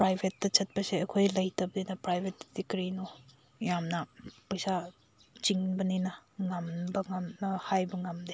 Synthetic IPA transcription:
pɾajbʱetːɐt͡ʃɐt̚pɐseɐkʰojlɐjtɐbɐdinɐpɾajbʱet̚d̥ikɾinu | jamnɐpɐjsa | t͡ʃiŋbɐninɐŋamnbɐŋamnɐhajbɐŋamd̪e

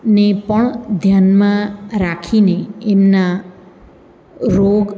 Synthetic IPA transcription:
nepʌɳ̃d̪ʱjanmãɾakʰineemna | ɾoɡ

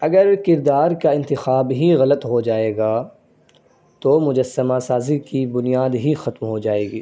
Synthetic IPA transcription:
ɐɡəɾkɪɾd̪aːɾkaɪ̃nt̪ɪxaːbɦiɣɐlət̪ɦod͡ʒaːeːɡaː | t̪omʊd͡ʒəsːəmasaːzikibʊnijaːd̪ɦixɐt̪mɦod͡ʒaːeːɡḭː

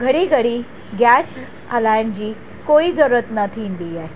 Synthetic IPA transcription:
ɡʱəɽiːɡʱəɽiː | ɡæs | əlajɳd͡ʑiː | koiːzəɾət̪nət̪ʰind̪ijaj

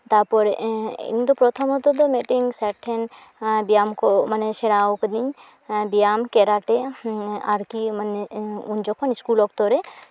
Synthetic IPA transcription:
t̪apɔɾḭŋd̪ɔpɾɔt̪ʰɔmɔd̪ɔd̪ɔmɛʈiŋsɛʈʰːɛn | bijamkɔmanɛsɛɽawked̪iɲ | bijamkɛɾaʈɛ | aɾkimanɛuɲd͡ʒɔkʰɔniskulɔk̚t̪ɔɾɛ

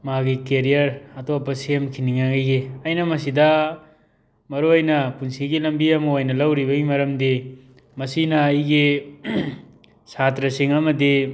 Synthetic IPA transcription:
maɡikeɾijɐɾɐtopːɐsiemkʰiniŋaɡɐjɡiɐjnɐmɐsidɐ | mɐɾojnɐpunsiɡilɐmbiɐmɐojnɐlɐwɾibɐɡimɐɾɐmdi | mɐsinɐːjɡi | satɾɐsiŋɐmɐdi

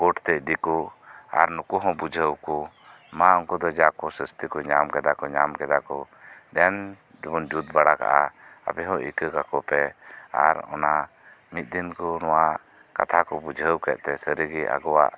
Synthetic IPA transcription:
kɔʈt̪ɛd̪ikɔa̰ɾnukuɦɔ̃bud͡ʒʱəwkɔ | mãɔŋkɔd̪ɔd͡ʒakɔsəst̪ikɔɲamkɛd̪akɔɲamkɛd̪akɔ | d̪ɛn | d͡ʒbund͡ʒut̪̚baɽaka̰ʔaa̰pɛɦɔ̃ʔḭkəkakɔpɛa̰ɾɔ̰na | mit̪̚ˀd̪inkɔnɔwa | ka̰t̪ʰakɔbud͡ʒʱəwkɛ̰ʔ̚t̪ɛsəɾəɡiʔa̰ɡɔwa̰ʔ

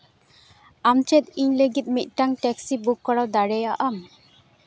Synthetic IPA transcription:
amt͡ʃɛt̪̚iɲləɡit̪̚mit̪̚ˀʈaŋʈɛksibukːɔɽawd̪aɽɛjaʔam

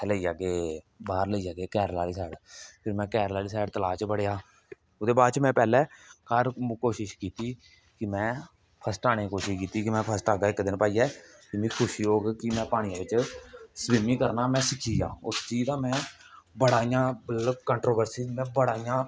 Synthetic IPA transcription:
ləiːd͡ʒaːɡeː | baːɾləiːd͡ʒaːɡeːkɛːɾlaːliːsɛːɽpʰɪɾmɛ̃ːkɛːɾlaːliːs̬ɛːɽt̪əlaːt͡ʃbəɽeːaː | ʊd̪eːbaːɾt͡ʃmɛ̃ːpɛːlɛːkəɾkoːʃɪʃkiːt̪iː | kɪmɛ̃ː | pʰəsʈaːɽ̃ẽːkoːʃiʃkiːt̪iːkɪmɛ̃ːpʰəsʈaːɡaːɪkd̪ɪnpaːiːɛː | t̪ɪmĩːkʰʊʃiːoːɡkɪmɛ̃ːpaːɽ̃ɪãːʋɪt͡ʃsbɪmiːkəɾnaːmɛ̃ːsəkiːjãːʊst͡ʃiːd͡ʒd̪ãːmɛ̃ːbəɽaːijãːbələbkəɳʈɾoːbəɾsiːmɛ̃ːbəɽaːijãː

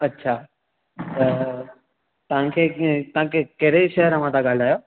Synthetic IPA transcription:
ɐtːɕʰaː | t̪ɐ | t̪ɐʋ̤ãkʰeːt̪ɐãkʰekɐɦɾeiʃɐɦəɾɐʋ̤ãt̪ãɡaːlaːjoː

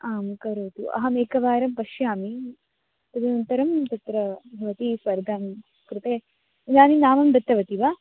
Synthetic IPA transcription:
aːmkɐɾoːt̪ṵʔɐ̰ɦɐmeːkɐʋaːɾɐmpɐʃjaːmi | t̪ɐd̪ɐnɐnt̪ɐɾɐmt̪ɐt̪ɾɐbʱɐʋɐt̪isʋɐɾɡ̪ʱaːm | kɾut̪eː | naːninaːmɐmbɾɐt̪ːɐʋɐt̪iʋaː

